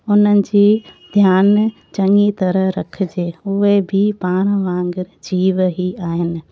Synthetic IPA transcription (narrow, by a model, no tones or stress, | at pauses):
ʊnənɪ̆d͡ʑiːd̪ʱjaːn | t͡ɕɐŋit̪ɐɾəɦɾɐkʰɪ̆d͡ʑeːʊɦebʱipaːɾ̃ʋãːŋɡɪɾd͡ʑiːʋɦiaːɦɪnɪ̆